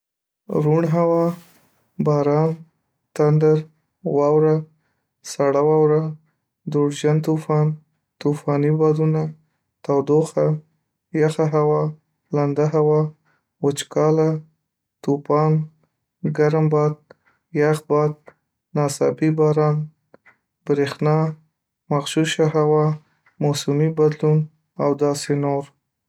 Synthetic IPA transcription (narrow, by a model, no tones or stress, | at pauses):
ɾuɳɦawɑ | bɑɾɑn | t̪and̪aɾ | wɑwɾa | saɽawɑwɾa | d̪oɽʒant̪ufɑn | t̪ufɑnibɑd̪una | t̪awd̪oxa | jaxaɦawɑ | land̪aɦawɑ | wʊt͡ʃkɑla | t̪upɑn | ɡaɾambɑd̪̚ | jaxbɑd̪̚ | nɑsɑbibɑɾɑn | b̥ɾexnɑ | maxʃuʃaɦawɑ | mosumibad̪lun | awd̪ɑsenoɾ